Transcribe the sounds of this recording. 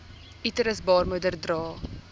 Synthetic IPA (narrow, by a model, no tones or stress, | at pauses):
itəɾəsbɑːrmədərdrɑː